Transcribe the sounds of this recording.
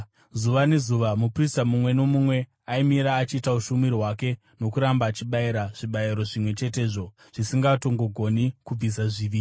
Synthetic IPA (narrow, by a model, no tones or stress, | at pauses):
zuʋane̞zuʋamupristamumwe̞no̞mumwe̞ | aimiɾaːt͡ʃiːtauʃumirɦwake̞ | no̞kuɾambaːt͡ʃiɓaiɾaʐ̥iɓaiɾo̞ʐimwe̞t͡ʃe̞te̞ːʐo̞ | ʐ̥isiŋɡato̞ŋɡo̞ɡʱo̞nikub͡vis̬aʐiʋiːi